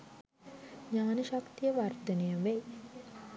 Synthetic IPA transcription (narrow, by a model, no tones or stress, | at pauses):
ɲaːnəʃakt̪ijəʋard̪ənejəʋej